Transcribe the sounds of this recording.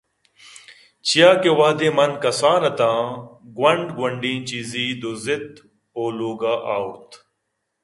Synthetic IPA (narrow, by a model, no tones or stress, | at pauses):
t͡ʃijaːkeːwaːd̪ẽːmɐnkɐsaːnɐt̪ãːɡwɐɳɖɡwɐɳɖĩːt͡ɕiːziːd̪ozɪt̪̚ | oːloːɡaːʔaːʊɾt̪